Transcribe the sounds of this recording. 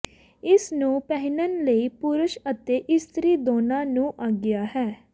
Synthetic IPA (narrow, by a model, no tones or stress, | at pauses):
ɪsnũːpɛɦɪnənləiːpʊɾʊʃət̪eːʔɪst̪ɾiːd̪oːnãːnũːʔaːɡɪjaːɦɛː